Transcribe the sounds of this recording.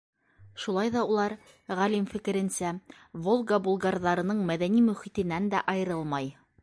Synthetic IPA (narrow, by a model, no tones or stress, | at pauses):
ʃulˠɑjðɑulˠɑɾ | ʁælimfɘ̆kɘ̆ɾɘ̆nsæ | volˠɡabulˠɡɑrðɑɾɤ̆nɤɴmæðænimɵ̆χit̪ɘ̆nænd̪æʔɑjɤ̆ɾɤlˠmɑj